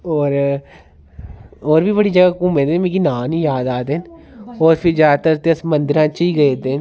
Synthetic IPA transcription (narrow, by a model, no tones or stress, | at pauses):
ɔːɾ | ɔːɾbʱibɐɽid͡ʒəɡakũːmẽːt̪emẽkinãːnijaːd̪aːd̪enɔːɾpʰɪɾzjaːd̪t̪əɾt̪əsmə̃nd̪ɪɾãːt͡ʃəiɡɐet̪en